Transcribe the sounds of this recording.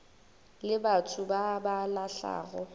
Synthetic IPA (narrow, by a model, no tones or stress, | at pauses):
lɪbatʰʊbabalaɬa̰ːɣɔ